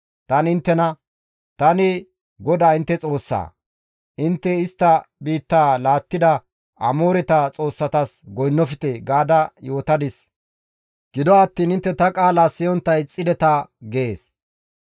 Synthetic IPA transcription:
t̪ɐnɪnt̪ːɛnɐ | t̪ɐnɪ | ɡɔd̪aːɪnt̪ːɛt͡sʼo̞ːsːa̰ː | ʔɪnt̪ːɛɪst̪ːɐbiːt̪ːaːlaːt̪ːɪd̪ɐ | ʔɐmo̞ːɾɛt̪at͡sʼo̞ːsːɐt̪ɐsɡɔjnːɔfɪt̪ɛɡaːd̪ɐjo̞ːt̪ɐd̪ɪs | ɡ̥ɪd̪ɔɐt̪ːiːnɪnt̪ːɛt̪ɐkʼaːlasɪjɔnt̪ːɐjt͡sʼːɪd̪ɛt̪ɐɡeːs

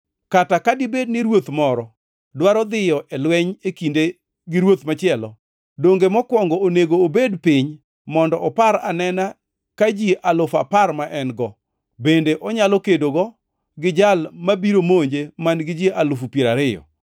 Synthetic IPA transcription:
katakadɪbednɪɾwot̪mɔɾɔ | dwaɾɔd̪ɪjɔʔɛlwɛɲekinde | ɡɪɾwot̪mat͡ʃɪɛlɔ̰ | doŋɡemɔkwɔŋɡɔoneɡoːbedpɪɲ | mɔndɔʔɔpaɾa̰nɛna | kad͡ʒiʔalʊfa̰parmaʔɛnɡɔ | bendeʔɔɲalɔkedoɡɔ | ɡɪd͡ʒalmabiɾomoɲd͡ʒemanɡɪd͡ʒiʔalʊfupjeɾaɾɪjɔ̰

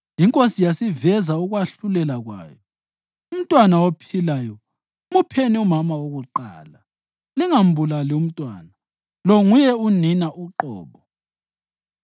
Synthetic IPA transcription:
jiŋkʼosijasivɛzauɣwaɬulɛlaɣwa̰ːjɔ | um̩tʼwanawopʰilajɔ | mupʰeniumamawoɣuǃa̰ːla | liŋam̩bʱulalɛum̩tʼwa̰ːna | lɔŋujɛuninaʔuǃɔ̰ːβɔ

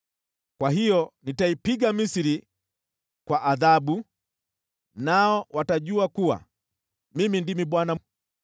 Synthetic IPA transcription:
kwaɦijɔnitaipiɡamisiɾi | kwaʔaðaɓu | naɔwataʄuakuwa̰ | mimindimiɓwana

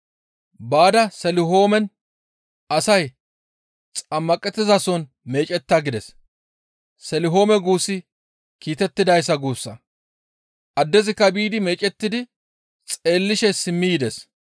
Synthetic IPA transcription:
baːd̪ɐsɛlɪɦo̞ːmɛn | ɐsɐj | t͡sʼɐmːɐkʼɛt̪ːɪzɐsɔn | me̞ːt͡ʃʼɛt̪ːaɡɪd̪ɛs | sɛlɪɦo̞ːmɛɡuːsːɪ | kiːt̪ɛt̪ːɪd̪ɐjs̬ːɐɡuːsːɐ | ʔɐd̪ːɛzɪkːɐbiːd̪ɪme̞ːt͡ʃʼɛt̪ːɪd̪ɪ | t͡sʼe̞ːlːɪʃɛsɪmːɪjɪd̪ɛs

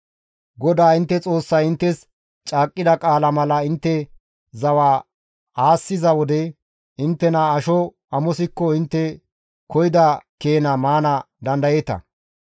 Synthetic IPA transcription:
ɡɔd̪aːɪnt̪ːɛt͡sʼo̞ːsːɐjɪnt̪ːɛs | t͡ʃʼaːkʼːɪd̪ɐkʼaːlɐmɐlɐɪnt̪ːɛ | zɐwaː | aːsːɪzɐwɔd̪ɛ | ɪnt̪ːɛnaːʃɔ | ɐmɔsɪkːɔɪnt̪ːɛ | kɔjɪd̪ɐke̞ːnɐmaːnɐ | d̪ɐnd̪ɐjet̪ɐ̰

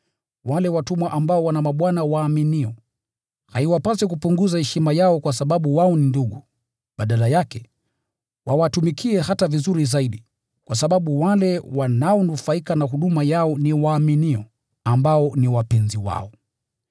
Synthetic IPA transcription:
walɛwatumwaʔambaɔwanamaɓwanawaːminiɔ | haiwapas̬ɛk̬upuŋɡuzahɛʃimajaɔkwas̬aɓaɓuwaɔninduɠu | ɓaɗalajakɛ | wawatumikʰiɛhatavizuɾizaiɗi | kwas̬aɓaɓuwalɛwanaɔnufaikanaɦuɗumajaɔniwaːminiɔ | ambaɔniwapɛnziwa̰ɔ

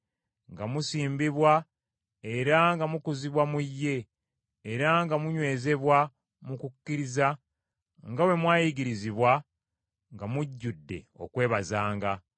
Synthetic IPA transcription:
ŋɡamusiːmbiβwa | e̞ɾaŋɡamukuziβwamujːe̞ː | ɾaŋɡamuɲwe̞ːze̞βwa | mukukːiɾiza | ŋɡawe̞mwaːjiɡiɾiziβwa | ŋɡamuɟːudːe̞̰o̞̰kwe̞ːβazaːŋɡa

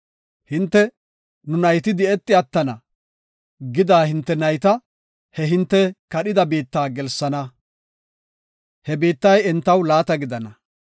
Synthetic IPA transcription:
hɪnt̪ːɛ | nʊnɐjt̪ɪd̪ɪɛt̪ːɪɐt̪ːɐnɐ | ɡɪd̪aːhɪnt̪ːɛnɐjt̪ɐ | hɛɦɪnt̪ːɛkɐɗɪd̪ɐbiːt̪ːaːɡɛlsːɐnɐ | hɛbiːt̪ːɐjɛnt̪ːɐwlaːt̪ɐɡɪd̪ɐnɐ

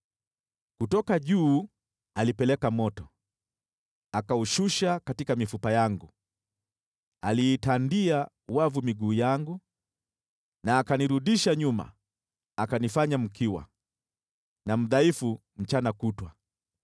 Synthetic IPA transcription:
kutɔkaʄuː | alipɛlɛkamɔtɔ | akauʃuʃakatikamifupajaŋɡu | aliːtandia | wavumiɡuːjaŋɡu | naːkaniɾuɗiʃaɲuma̰ | akanifaɲam̩kiwa̰ | nam̩ðaifu | m̩t͡ʃanakutwa

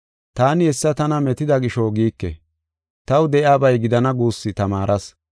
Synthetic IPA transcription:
t̪aːnɪɛsːɐt̪ɐnɐmɛt̪ɪd̪ɐɡɪʃoɡiːkːɛ̰ | t̪ɐwd̪ɛʔjaːbɐjɡɪd̪ɐnɐɡuːsːɪt̪ɐmaːɾʔɐs

